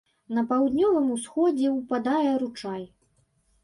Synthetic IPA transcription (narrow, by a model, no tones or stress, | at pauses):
nɐpawd̪nʲɔvɨmusxɔd͡zʲɛwpad̪ajɛɾut͡ʂaj